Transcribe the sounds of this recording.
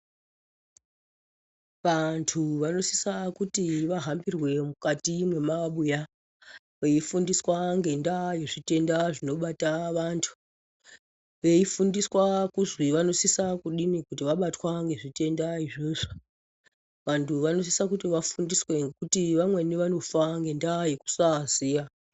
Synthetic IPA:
ʋantʰuʋano̞si̥sakutiʋaɦambirwe̞mukatimwe̞maɓuja | ʋe̞ifundiswaŋɡe̞ndajeʐite̞ndaʐino̞ɓataʋantʰu̥ | ʋe̞ifundiswakuzwiʋano̞sisakuɗinikut̬iʋaɓatwaŋɡe̞ʐite̞ndaiʐeʐo | ʋantʰuʋano̞s̬isakutiʋafundiswe̞ŋɡekutiʋamwe̞niʋano̞faŋɡe̞ndajiku̥sazija

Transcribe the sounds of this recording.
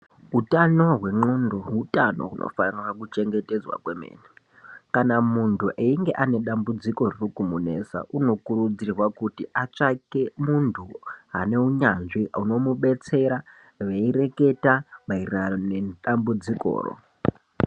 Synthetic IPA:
ɦutano̞ɦwe̞ŋ͡ǃondo̞ɦutano̞̰ɦunʔo̰fanirwakut͡ʃe̞ŋɡe̞te̞d͡zwa̰kwemḛːne | kanamuntʰuʔeiŋɡe̞ʔane̞ɗambud͡ziko̞rrukumune̞ːsa̰ʔuno̞kuɾud͡zirwakutiʔat͡ʂakemuntʰuɦa̰ne̞uɲanʐiuno̞muɓe̞t͡se̞ɾa | ʋeiɾe̞ke̞tamairiraoneɗambud͡ziko̰ːro̰

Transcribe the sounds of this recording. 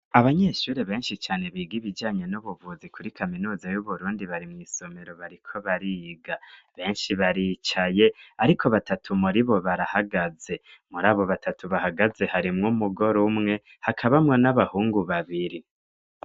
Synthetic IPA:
aβaɲe̞ʃuːɾeβe̞ːnʃit͡ʃaːne̞βiːɡiβid͡ʒaːɲe̞nuβuvuzikʰuɾikʰaminuːzajuβuɾuːndiβaɾimŋiːso̞me̞ɾo̞βaɾikʰo̞βaɾiɡaβe̞ːnʃiβaɾit͡ʃaje̞aɾikʰo̞βatatʰumuɾiβo̞βaɾahaɡaze̞muɾaːβo̞βatʰatʰuβahaɡaze̞haɾimŋumuɡo̞ɾumŋe̞ | hakʰaβamŋonaβahuːŋɡuβaβiɾi

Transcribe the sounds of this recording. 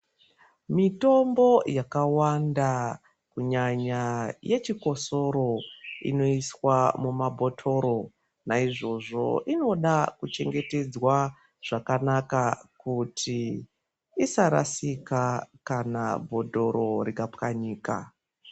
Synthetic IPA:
mito̞mbo̞jakawanda | kuɲaɲajʔe̞t͡ʃiko̞so̞ɾo̞ḭno̞iswamumabʱo̞tʰo̞ɾo̞ | naiʐo̞ʐo̞̰ʔino̞ɗakut͡ʃe̞ŋɡe̞te̞d͡zwa | ʐ̥akanakakutʰiː | saɾa̰sikakana̰bʱo̞do̞ɾo̞ɾikapkaɲiːka̰

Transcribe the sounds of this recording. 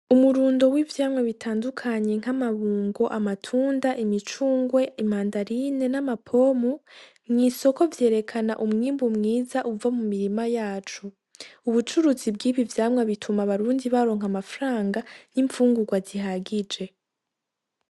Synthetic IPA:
umuɾuːndo̞wivjaːmŋaβitʰaːndukʰaɲe̞ŋ̥hamaβuːŋɡo̞ʔamatʰuːndaʔimit͡ʃuːŋɡwe̞imaːndaɾine̞namapʰo̞mu | mŋiːso̞ko̞vje̞ːɾe̞kʰana̰ʔumŋiːmbumŋiːzaʔuvamumiɾimajaːt͡ʃu | uβut͡ʃuɾuzibɡiːβivjaːmŋaβitʰumaβaɾuːndiβaɾo̞ːŋɦamafɾaːŋɡaniɱfuːŋɡuɡwaziɦaɡid͡ʒe̞

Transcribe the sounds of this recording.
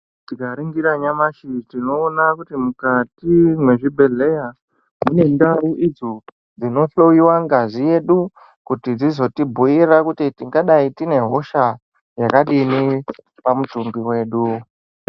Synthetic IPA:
tikaɾiŋɡiɾaɲamaʃitino̞ːnakutimukatimwe̞ʐibʱe̞le̞ja | mune̞ndawuʔid͡zo | d͡zino̞ɬo̞jiwaŋɡazije̞ɗu | kutid͡zizo̞tibʱuiɾakutitiŋɡaɗaitine̞ɦo̞ʃa | jakaɗini | pamutumbiwe̞ːɗu

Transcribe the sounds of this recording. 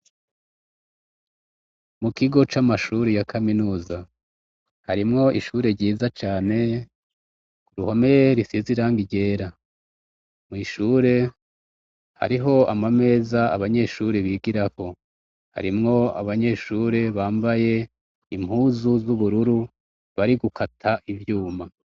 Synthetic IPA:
mukiɡo̞t͡ʃamaʃuːɾejakʰaminuːza | haɾimŋo̞ʔiʃuːɾe̞ɾɟiːzat͡ʃaːne̞ | kuɾuho̞me̞jeɾisiziɾaːŋɡiɟe̞ːɾa | mŋiʃuːɾe̞ | ha̰ɾiɦo̞a̰mame̞ːzaa̰βaɲe̞ʃuːɾeβiːɡiɾako̞ | ha̰ɾimŋo̞a̰βaɲe̞ʃuːɾe̞βaːmbaje̞ | imhuːzuzuβuɾuɾu | βaɾiɡukʰatʰaʔivjuːma

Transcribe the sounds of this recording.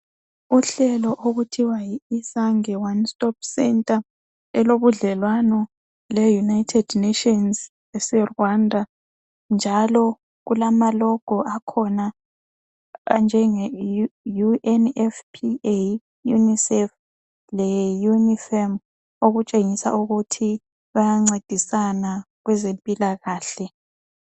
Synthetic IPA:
uɬɛlɔʔoɣutʰiwajiisaŋɛwanstʼɔp̚sɛntʼa | ɛloβuɮɛlwanɔ | lɛjunajtʰɛd̥netiɔns | ɛsɛrwandʱa | nd͡ʒʱalɔ | ɣulamalɔɡ̥ʱɔʔakʰɔna | ɣa̰nd͡ʒʱɛŋɛjuʔɛnɛfpʰie | junisɛf | lɛjunifɛm | oɣut͡ʃʼeŋisa̰ʔuɣutʰi | βajaŋ͡ǀed̥ʱisana | ɣwɛzempʼilaɣaːɬɛ

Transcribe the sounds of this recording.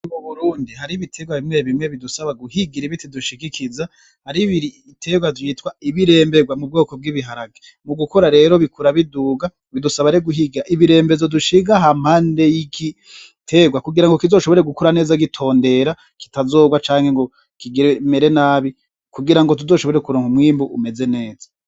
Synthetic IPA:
uβuɾuːndiɦaɾiβitʰe̞ɡwaβimŋe̞βimŋeβidusaβaɡuhiɡiɾiβitiduʃikikʰiza | haɾiβiɾiːtʰe̞ɡwaziːtwaiβiɾe̞ːmbe̞ɡwamub̚ɡo̞ːko̞b̚ɡiːβiɦaɾaɡe | muɡukoɾaɾe̞ːɾoβikuɾaβiduːɡa | βidusaβaɾeɡuɦiɡiɾaʔiβiɾe̞ːmbe̞zoduʃiɡaɦam̥haːnde̞jiɡi | tʰeɡwakuɡiɾaŋɡo̞kizo̞ːʃoβo̞ɾeɡukoɾane̞ːzaɡitʰo̞ːnde̞ɾa | ki̥tazo̞ːɡwat͡ʃaːŋheŋɡo̞ | kiɡiɾemeɾe̞naːβi | kuɡiɾaŋɡo̞t̬uzo̞ːʃoo̞ɾekuɾoːŋumwiːmbuʔume̞ze̞ne̞ːza

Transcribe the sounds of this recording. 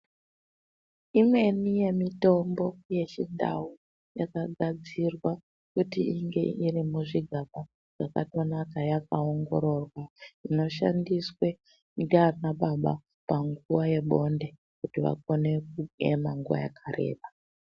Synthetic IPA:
imwe̞nije̞mito̞mbo̞je̞t͡ʃinda̰u | jakaɡʱad͡zirwa | kutiiŋɡe̞̰ʔiɾimuʐiɡʱaɓa | ʐ̥aka̰to̞nakajakao̞ŋɡo̞ɾo̞rwaino̞ʃa̰ndiswe̞ | nɡanaɓaɓa | paŋɡuʋaje̞ɓo̞nde̞ | kutiʋa̰k̚o̞ne̞k̚uḛmaŋɡuʋa̰ja̰kʰare̞̰ːɓa

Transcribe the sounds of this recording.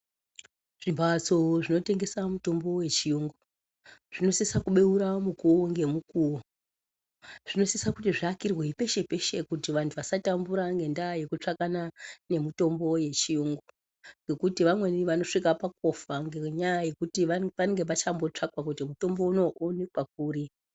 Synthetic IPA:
ʐ̥imbʱat͡soʐino̞te̞ŋɡe̞samuto̞mbo̞we̞t͡ʃijuːŋɡu | ʐ̥ino̞sisakuɓe̞uɾamukuoŋɡe̞mukuo | ʐ̥ino̞sisakutiʐiakirweipe̞ʃe̞pe̞ʃe̞kutiʋantʰuʋasatambuɾaŋɡe̞ndaje̞kut͡ʂakanane̞mito̞mbo̞je̞t͡ʃijuŋɡu | ŋɡe̞kutiʋamwe̞niʋano̞ʂikapako̞faŋɡeɲajaje̞kutiʋapaeŋɡe̞pat͡ʃambo̞t͡ʂakwakutimuto̞mbo̞uno̞ʔonekwak̚uːɾi

